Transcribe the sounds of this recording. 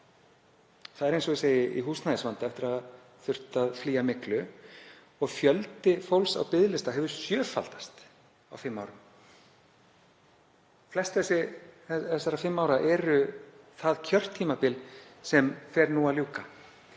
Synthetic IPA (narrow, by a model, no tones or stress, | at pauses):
θaðɛɾejnsɔiseːjɪʔḭɦuːsnajɪsvant̪aɛft̪ɪɾað | θʏr̥t̪aðfliːamɪklʏ | ɔɣfjœlt̪ɪfowlsa̰wpɪðlɪst̪aɦɛvʏɾsjœːfa̰lt̪ḁst̪ | awfɪmːaːwɾʏm | flɛst̪aθɛsːɪɛɛsːaɾafɪmːaːwɾaʔɛɾʏθaðcʰœr̥t̪ʰːiːmapɪlsɛmfɛɾnuːaljuːka